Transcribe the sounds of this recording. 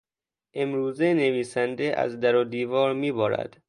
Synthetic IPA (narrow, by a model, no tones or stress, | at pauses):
ʔemɾuːzeneviːsænd̪eʔæ̰zd̪æɾoːd̪iːvɒːɾmiːbɒːɾæ̰d̪̥